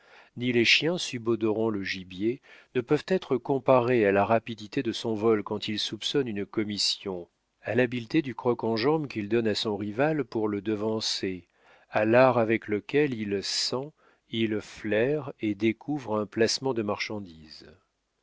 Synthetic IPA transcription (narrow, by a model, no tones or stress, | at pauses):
nileʃjɛ̃sybɔd̪ɔʁɑ̃ləʒibjenəpœvt̪ɛt̪χəkɔ̃paʁealaʁapid̪it̪ed̪əsɔ̃vɔlkɑ̃t̪ʰilsupsɔnynkɔmisjɔ̃ | alabilt̪ed̪ykχɔkɑ̃ʒɑ̃bkʲild̪ɔnasɔ̃ʁivalpuʁləd̪əvɑ̃se | alaʁavɛkləkʲɛlilsɑ̃ | ilflɛʁed̪ekʰuvʁɛ̃plasmɑ̃d̪əmaʁʃɑ̃d̪iz